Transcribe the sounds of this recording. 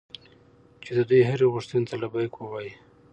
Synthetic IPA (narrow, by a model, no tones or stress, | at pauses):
t͡ʃed̪əd̪ujɦaɾiɣʊʂt̪unt̪alabajkwowaji